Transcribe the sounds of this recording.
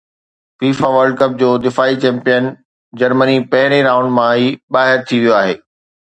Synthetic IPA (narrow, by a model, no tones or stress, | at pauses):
fiːfaʋɐɾɖ̚kɐp̚d͡ʑoːd̪ɪfaːit͡ɕɛ̃ːmpijən | d͡ʑɐɾmənipɐɦɪɾ̃eɾãːʊ̃ɳɖmãɦiɓaːɦɪɾt̪ʰiʋijoaːɦeː